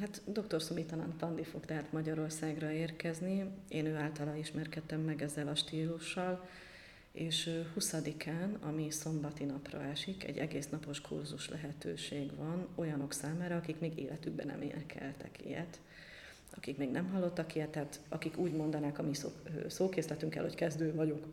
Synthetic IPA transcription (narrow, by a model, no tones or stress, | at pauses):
ɦat̪d̪o̞k̚t̪o̞rsomit̪ɒnɒ̰nfɒnd̪ifo̞kt̪ɛɦat̪mɒɟɒɾo̞rsaːɡrɒeːrkɛznieːnøːaːlt̪ɒlaːiʃmɛrkɛt̪ːɛmːɛɡɛzːɛlɒʃt̪iːluʃːɒl | eːʃøhusɒd̪ikʰaːnɒmiso̞mbɒt̪inɒprɒ̰ɛʃikɛ̰ɟːɛɡeːsnɒpo̞ʃkʰṵrzuʃlʔɛɦɛt̪ø̰ːʃeːɡvɒno̞jɒno̞ksaːmaːɾɒɒkikmeːɡḛːlʔɛt̪yɡ̚bɛ̰nɛ̰mʔḛːnɛkʰɛ̰lt̪ɛ̰kʰḭjɛ̰t̪ | ɒkikmeːɡnɛmɦɒlːo̞t̪ːɒkijɛt̪ːaːt̪ɒ̰kikuːɟmo̞nd̪ɒnaːkɒmisosoːkeːslɛt̪yŋkɛ̰lhockɛzd̪øːvɒɟo̞k